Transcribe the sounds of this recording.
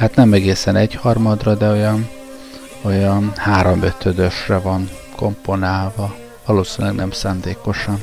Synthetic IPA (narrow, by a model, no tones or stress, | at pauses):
hat̪nɛmɛɡeːsɛnɛɟhɒrmɒd̪rɒd̪ɛojɒn | ojɒnhaːɾo̞mø̞t̪ʰød̪øʃrɛvɒŋ | ko̞mpo̞naːlvɒ | vɒloːsinylɛɡnɛmsaːnd̪eːko̞ʃɒn